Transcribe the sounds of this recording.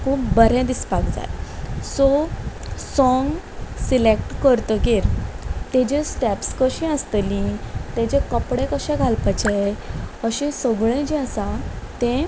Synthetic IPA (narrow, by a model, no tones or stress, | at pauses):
kʰuːp̚bəɾɛ̃d̪ispakd͡za̰jsɔ | sɔŋɡ | silek̚ʈkəɾt̪əkeɾ | t̪ɛ̃d͡ʑẽsʈɛpskəɕĩəst̪əlĩt̪ɛ̃d͡ʑɛ̃kəpɽẽkəɕɛ̃ɡʱalpət͡ɕeəɕĩsəɡɭẽd͡ʑiəsat̪ɛ̃